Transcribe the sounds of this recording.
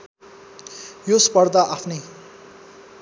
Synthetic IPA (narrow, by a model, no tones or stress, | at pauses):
jospʌrd̪aʔapʰnʌj